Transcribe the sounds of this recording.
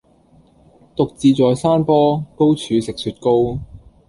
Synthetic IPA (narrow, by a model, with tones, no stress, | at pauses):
t̪ʊ˨k̚t͡siː˨t͡sɔː˨˧jsaː˥npɔː˥ko˥wt͡ʃʰyː˨˧sɪ˨k̚syː˨˧t̚ko˥w